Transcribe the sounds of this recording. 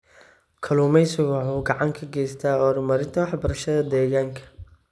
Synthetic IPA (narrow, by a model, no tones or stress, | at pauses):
kʰɐluːmɛjsʊwɑħuːɡɑʕɑŋkʰɐɡɛːjst̪ʰaːɔːɾʊmɐɾɪnt̪ʰɐwɑħbɐɾɐʃɐðɐd̪ɛːɣaːŋkʰɐ̥